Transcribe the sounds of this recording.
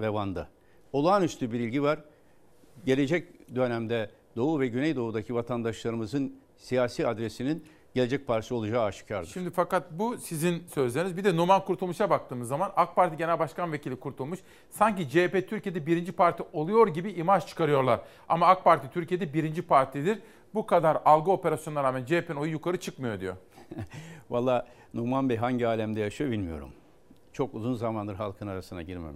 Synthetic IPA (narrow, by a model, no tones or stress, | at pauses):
vɛvand̪ɯ | o̞lˠaːnyst̪ʰybiɾilʲɟivaɾ | ɟe̞lʲe̞d͡ʒɛc̚d̪ø̞næmd̪ɛ | d̪o̞uvɛɟynɛjd̪o̞uːd̪acʰivat̪ʰand̪aʃlˠaɾɯmɯzɯn | sijaːsiːad̪ɾesinin | ɟee̞d͡ʒɛc̚pʰaɾt̪isio̞lˠud͡ʒaːaʃɯ̥cʰaɾdʃɯʃimd̪ifakat̪̚busizinsø̞zlʲenizbid̪ɛnomalˠkʰuɾt̪ʰulˠmuʃabak̚t̪ʰɯːmɯzːamanak̚paɾt̪ʰiɟenælʲbaʃkanvecʰilʲikʰuɾt̪ʰulˠmuʃ | saɲcid͡ʒepet̪ʰyɾcʰijed̪ɛbiɾind͡ʒipaɾt̪ʰiʔo̞lˠujo̞ɾɟibiʔimat͡ʃt͡ʃʰɯ̥kʰaɾɯjo̞ɾlˠaɾ̥ | a̰maak̚paɾt̪ʰit̪ʰyɾcʰijed̪ɛbiɾind͡ʒipʰaɾt̪ʰid̪iɾ | bukʰad̪aɾalˠɡɯo̞pe̞ɾasjonaɾaːmænd͡ʒepʰeno̞jujukʰaɾɯt͡ʃʰɯkmɯjo̞d̪ḭjo̰ | valˠːaː | numanbɛɦaɲɟiaːlʲæmd̪ɛjaʃɯbilʲmijo̞̰ɾṵm | t͡ʃʰo̞kuzunzamand̪ɯɾɦalˠkʰɯnaɾasɯnd̪a̰ɟiɾmḛmiʃ